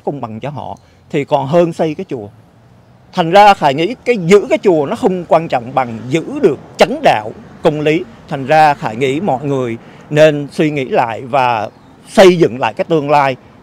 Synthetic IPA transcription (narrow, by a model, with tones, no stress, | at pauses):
kə˧wŋ͡mɓa˨˩ŋt͡ɕɔ˧ɦɔ̰˧˨ | t̪ʰi˨˩kɔ˨˩nɦəː˧nsə˧jkaː˨˦jt͡ɕu˨˩ə | t̪ʰa˨˩ŋ̟zaː˧xaː˧˩jŋḭ˧˥kaː˨˦jzɨ̰˧˥kaː˨˦jt͡ɕu˨˩ənɔ˨˦xə˧wŋ͡mkwaː˧nt͡ɕɔ̰˧˨wŋ͡mɓa˨˩ŋzɨ̰˧˥ɗɨ˨˩ək̚t͡ɕə˨˦nɗa̰ː˧˨wkə˧wŋ͡mli˨˦t̪ʰa˨˩jŋ̟zaː˧xaː˧˩jŋḭ˧˥mɔ̰˧˨jŋɨ˨˩əj | ne˧nswi˧ŋḭ˧˥la̰ː˧˨jvaː˨˩ | sə˧jzɨ̰˧˨ŋla̰ː˧˨kaː˨˦jt̪ɨ˧əŋlaː˧j